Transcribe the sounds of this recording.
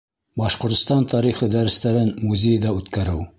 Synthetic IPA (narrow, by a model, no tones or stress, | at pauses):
bɑʃqŏɾt̪st̪ɑnt̪ɑɾiχɤd̪æɾɘ̆st̪æɾɘnmuzʲejd̪ɑʉt̪kæɾɘw